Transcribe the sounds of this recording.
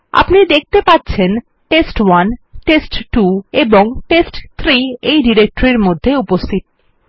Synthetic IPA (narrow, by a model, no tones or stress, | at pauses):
a̰pnid̪ek̚ʰt̪epat̪ːɕʰen | ʈesʈwanʈesʈʈueboŋʈesʈt̪ʰɾiejɖiɾek̚ʈoɾiɾmod̪ʱːeupost̪ʰit̪̚